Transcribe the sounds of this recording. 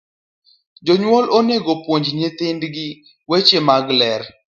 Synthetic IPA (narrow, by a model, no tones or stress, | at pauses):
d͡ʒoɲwɔlʔoneɡopwoɲd͡ʒɲet̪ɪndɡɪ | wet͡ʃemaɡlɛɾ